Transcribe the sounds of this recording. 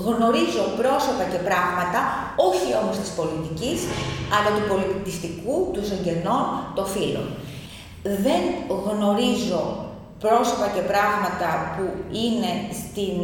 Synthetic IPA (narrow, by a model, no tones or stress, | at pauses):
ɣno̞ɾizo̞pɾo̞so̞pɐce̞pɾɐɣmɐt̪ɐo̞çio̞mo̞st̪i̥spo̞lit̪icisɐlɐt̪upo̞lit̪ist̪ikut̪usoɲɟe̞no̞nt̪o̞filo̞̰n | ðe̞ŋɣno̞ɾizo̞ | pɾo̞so̞pɐce̞pɾɐɣmɐt̪ɐpuine̞st̪in